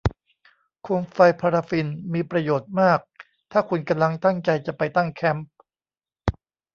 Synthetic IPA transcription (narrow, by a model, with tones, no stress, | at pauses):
kʰu˧mfa˧jpʰaː˧ɾa˧fi˧nmiː˧pɾa˧joː˨˩t̪̚maː˥˩k̚ | t̪ʰaː˥˩kʰu˧nka˧mla˧˥ŋt̪a˥˩ŋt͡ɕa˧jt͡ɕa˨˩pa˧jt̪a˥˩ŋkʰɛ˦˥mp̚